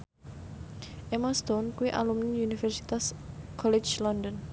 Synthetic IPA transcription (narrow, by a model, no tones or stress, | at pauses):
ʔemast̪ɔnkuwiʔa̰lumnɪŋunifɛrsi̥t̪askʰɔlɛ̥d͡ʒlɔndɔn